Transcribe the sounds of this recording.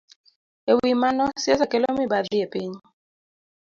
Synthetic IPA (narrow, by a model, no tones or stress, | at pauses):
ewimanɔsjasakɛlɔmibaðiepiɲ